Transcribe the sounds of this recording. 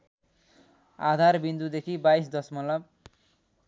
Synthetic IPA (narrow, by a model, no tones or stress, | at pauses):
a̰d̪ʱarbind̪ud̪ekʰibajsd̪ʌsmʌlʌb̚